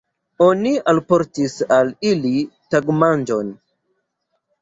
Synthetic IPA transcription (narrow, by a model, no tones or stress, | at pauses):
o̞nialpo̞ɾtisalilitaɡmand͡ʒo̞n